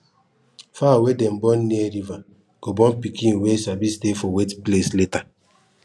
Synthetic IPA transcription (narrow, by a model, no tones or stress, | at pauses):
fawedem̩bɔn̩nieɾiva | ɡ̥obɔm̩pikiŋ̩wesabistefɔwetplesleta